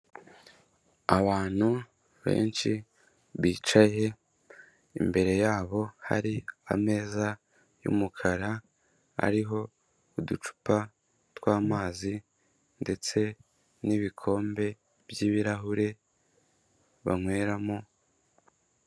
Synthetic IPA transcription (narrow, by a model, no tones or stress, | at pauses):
aβaːn̥hu | βe̞̰ːnt͡ʃi | βiːt͡ʃaje̞ | ḭmbe̞ɾe̞jaːβo̞ha̰ɾia̰me̞ːza | jṵmukʰaɾa | a̰ɾiɦo̞ | udut͡ʃu̥pa | twaːmaːzi | nde̞t͡se̞ | niβikʰo̞ːmbe̞ | bjiːβiɾaɦuɾe̞ | βaŋwe̞ːɾamo